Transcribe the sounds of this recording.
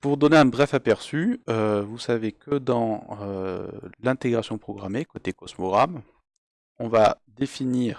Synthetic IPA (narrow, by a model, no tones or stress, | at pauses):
puʁd̪ɔneɛ̃bʁɛfapɛʁsyøvusavekəd̪ɑ̃ø | lɛ̃t̪eɡʁasjɔ̃pχɔɡʁamekot̪ekɔsmɔɡʁam | ɔ̃vad̪efiniːʁ